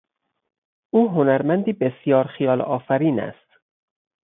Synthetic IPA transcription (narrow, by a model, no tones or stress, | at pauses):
ʔuːɦonæɾmænd̪iːbesjɒːɾxijɒːlɒ̰ːfæɾiːnæ̰st̪